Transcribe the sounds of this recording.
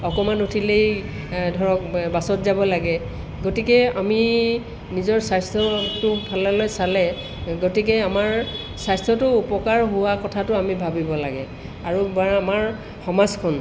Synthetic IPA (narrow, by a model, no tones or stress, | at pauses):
ɔkɔmanutʰilej | dʱɔɹɔk̚basɔtzabɔlaɡɛ | ɡotikɛami | nizɔɹsajstɔtʊbʱalɔlojsalɛ | ɡotik̬ɛamaɹ | sajstʰɹɔtʊupɔkaɹɦʊwakɔtʰatʊamibʱabibɔla̰ɡɛ | aɹubamaɹ | xɔmazkʰɔn